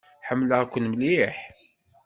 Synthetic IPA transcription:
ħəmːləʁkʷːənmliħ

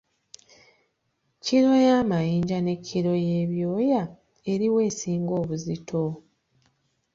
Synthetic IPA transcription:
ciɾo̞jaːmajiːɲɟane̞cʰːiɾo̞je̞ːβjoːja | e̞ɾiwe̞ːsiːŋɡo̞ːβuzitʰo̞

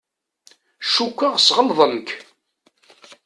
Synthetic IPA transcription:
ʃukʷːaʁsʁəlðˤəmk

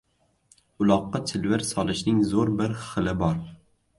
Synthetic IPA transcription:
ʊlˠɒqːɑt͡ʃʰɪlvɪɾsɒlˠɪʃnɪŋzoɾbɪɾχɨlɪbɒɾ

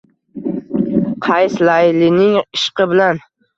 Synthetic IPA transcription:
qʰɑjslalɪnɪŋɪʃqɨbɪlan

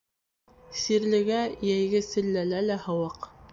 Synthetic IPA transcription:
siɾlɘ̆ɡæjæjɡɘsɘ̆lːælælæhɤ̆wɑq

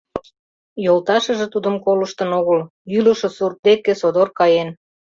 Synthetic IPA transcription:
jolt̪ɑʃə̆ʒĕt̪ud̪əmkoləʃt̪ə̆noɣəl | yləʃŏsur̚d̪ekesod̪orkɑjen

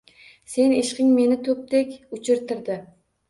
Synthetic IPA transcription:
seneʃqɪŋmenɪt̪ʰɵp̚t̪ɛkʲut͡ʃʰɪɾt̪ʰɪɾd̪ɪ

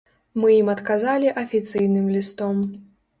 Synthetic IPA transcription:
mɨjimɐt̪kazalʲiʔɐfʲit̪sɨjnɨmlʲist̪ɔm

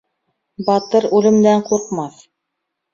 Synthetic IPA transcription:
bɑt̪ɤɾʉlɘ̆md̪æɴquɾqmɑθ

